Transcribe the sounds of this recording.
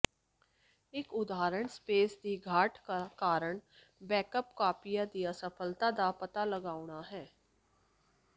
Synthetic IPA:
ɪkʊd̪aːɾəɳspeːsd̪iːɡʱaːʈkakaːɾəɳ | bɛːkəpkaːpijaːd̪ijaːsəpʰəlt̪ad̪aːpət̪aːləɡaːʊɳ̃aːɦɛː

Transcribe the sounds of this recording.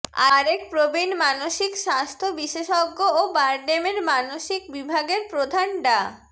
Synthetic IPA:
aɾek̚pɾobinmanoʃikʃast̪ʰobiʃeʃɔɡːoobaɾɖemeɾmanoʃik̚bibʱaɡeɾpɾod̪ʱanɖa

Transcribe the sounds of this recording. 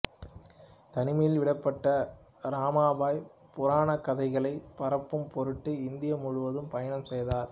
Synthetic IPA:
t̪ɐnɪmɐjɪlʋɪɽɐpːɐʈːɐ | ɾaːmaːbaːj | pʊɾaːnɐkːɐðɐɪɣɐɭɐɪpɐɾɐpːɯmpɔɾɯʈːɯɪnd̪ɪjɐmʊɻʊʋɐðɯmpɐjɐnɐmsɛjðaːɾ

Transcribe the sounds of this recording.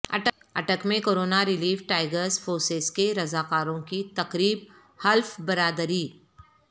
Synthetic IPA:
ɐ̰ʈə | ɐ̰ʈəkmẽkoːɾoːnaɾɪliːfʈaːɪɡəɾsfʰoːɾseskeɾɐzaːkaːɾõkit̪ɐkɾiːb | hɐlfbɐɾaːd̪ɾiː

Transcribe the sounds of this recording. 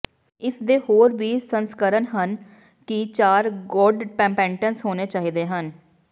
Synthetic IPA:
ɪsd̪eːhoːɾʋiːsənskəɾənɦən | kɪt͡ʃaːɾɡɔːɖpɛ̃ːmpɛ̃ːɳʈənsɦoːneːt͡ʃaːɦiːd̪eːɦən

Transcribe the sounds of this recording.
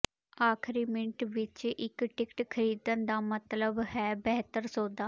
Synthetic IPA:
aːkʰɾiːmɪ̃ɳʈʋɪt͡ʃɪkʈɪkʈkʰəɾiːd̪ənd̪aːmət̪ləbɦɛːbɛːɦt̪əɾsoːd̪aː

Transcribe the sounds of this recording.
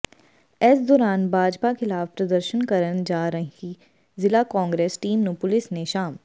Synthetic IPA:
ɛːsd̪ɔːɾaːnbʱaːd͡ʒpakɪlaːfpɾɐd̪əɾʃənkəɾənd͡ʒaːɾəɦi | zɪlakɔ̃ːŋɡɾeːsʈiːmnũpʊlɪsneʃaːm

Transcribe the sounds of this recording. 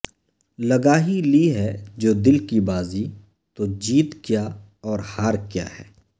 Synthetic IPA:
lɐɡaːɦiliɦɛd͡ʒoːd̪ɪlkibaːzi | t̪od͡ʒiːt̪kjaː | ɔːɾhaːɾkja̰ːɦɛ̰ː

